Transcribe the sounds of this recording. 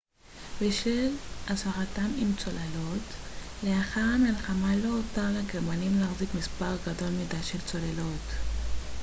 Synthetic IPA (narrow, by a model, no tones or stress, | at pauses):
beʃelasaʁatamimt͡so̞lalo̞tleaχaʁamilχamalo̞ːtaʁleɡeʁmanimlaaːχzikmispaʁɡado̞lmidaʃelt͡so̞lelo̞t